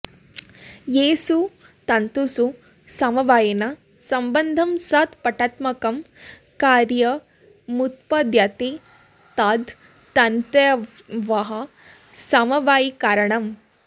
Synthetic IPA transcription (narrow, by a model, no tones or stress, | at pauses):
jeːsu | t̪ɐnt̪usu | sɐmɐʋaːjɐna | sɐmbɐnd̪ʱɐmsɐt̪pɐʈaːt̪mɐkɐm | kaːɾjɐ | mut̪̚pɐd̪jat̪e | t̪aːd̪ | t̪ɐnt̪ɐ | ʋɐɦɐ | sɐmɐʋaːjikaːɾɐɳɐm